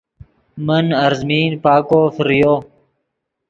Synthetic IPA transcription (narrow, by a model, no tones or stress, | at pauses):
mənɐɾzmiːnpaːkoːfɾijoː